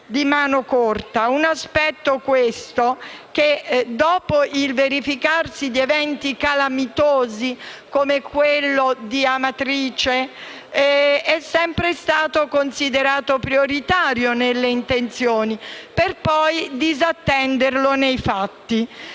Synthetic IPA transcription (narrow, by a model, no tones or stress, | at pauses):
d̪imaːnokort̪aunaspɛt̪ːokwest̪ok̟ed̪ɔːpoʔilveɾifikarsid̪ievɛnt̪ikalamit̪oːzikomekwelːod̪iamat̪ɾiːt͡ʃe | ɛsːɛmpɾest̪aːt̪okonsid̪eɾaːt̪opɾioɾit̪aːɾjonelːeint̪ent̪sjoːniperpɔjd̪izat̪ːɛnd̪erlonejfat̪ːi